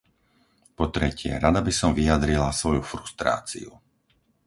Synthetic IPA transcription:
pɔt̪ɾɛcɪɛ̰ɾad̪abisɔmvijad̪ɾilasʋɔjufɾust̪ɾa̰ːt͡sḭṵ

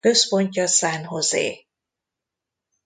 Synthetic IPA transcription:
øspo̞ɲcɒsaːnɦozḛː

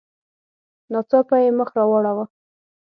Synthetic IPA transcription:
nɑt͡sɑpajeməxɾɑwɑɽawa

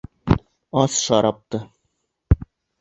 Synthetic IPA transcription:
ɑsʃɑɾɑp̚t̪ɤ

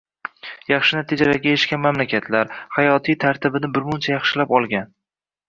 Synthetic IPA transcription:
jɑχʃɪnat̪ʰed͡ʒaɾaɡʲaeɪʃkʲanmamlakʲat̪ʰlaɾhajɒt̪ʰijt̪ʰaɾt̪ʰɪbɪnɪbɪɾmʊnt͡ʃʰajɑχʃɪlapɒlˠɡʲan

